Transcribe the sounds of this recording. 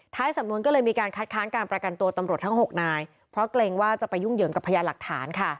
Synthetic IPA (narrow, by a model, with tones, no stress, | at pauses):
t̪ʰaː˦˥jsa˨˩˦mnu˧ənkɔː˥˩lɤː˧jmiː˧kaː˧nkʰa˦˥t̪̚kʰaː˦˥nkaː˧npɾa˧ka˧nt̪u˧t̪a˧mɾu˨˩ət̪ʰa˦˥ŋɦo˨˩k̚naː˧j | pʰɾɔ˦˥kleː˧ŋwaː˥˩t͡ɕa˨˩pa˧jːu˥˩ŋjɯː˩˦ŋka˨˩pʰːa˧jaː˧la˨˩k̚t̪ʰa̰ː˩˦nkʰa˥˩